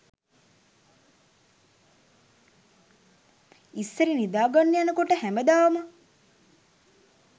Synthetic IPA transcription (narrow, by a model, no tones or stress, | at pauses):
isːəɾinid̪aːɡanːejanəkoʈəhæməd̪aːʋəma